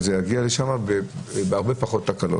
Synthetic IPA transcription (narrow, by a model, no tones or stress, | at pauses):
zejaɡiale̞ʃamabebeaʁbepaχo̞t̪ːakalo̰